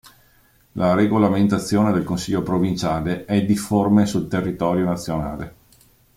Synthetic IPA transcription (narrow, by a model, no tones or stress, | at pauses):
lʔaɾeɡolament̪at̪sːjoːned̪elkonsiʎːopɾovint͡ʃaːleɛd̪iformesult̪erːit̪ɔːɾjonat̪sːjona̰ːle